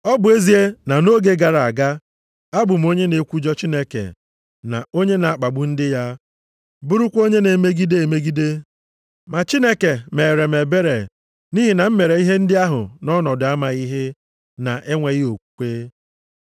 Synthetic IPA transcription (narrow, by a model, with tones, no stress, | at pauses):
ɔ˦bʊ˨e˦zi˨˦e˦na˨no˦ɡe˦ɡa˨ɾa˨a˨ɡa˦ | a˦bʊ˨m̩˦o˦ɲe˦ne˨kʷu˦d͡ʒɔ˦t͡ʃi˦ne˦kḛ˨ | na̰˨o˦ɲe˦na˨a˨k͡pa˨ɡ͡bʊ˦n̩˦dɪ˦ja˦ | bʊ˦ɾʊ˦kʷo˦ɲe˦ne˨me˦ɡi˦de˦e˨me˦ɡi˦de˦ | ma˨t͡ʃi˦ne˦ke˨me˨ɾe˨me˨be˦ɾe˨ | ni˦ɦi˨na˨m̩˦me˨ɾe˨i˦ɦe˦n̩˦dɪ˦a˦ɦʊ̰˨nɔ˦nɔ˨dʊ˨˦a˦ma˨i˦ɦe˦ | na̰˨ʔe˦ŋʷe˨ɣi˦o˨kʷu̥˦kʷeː˦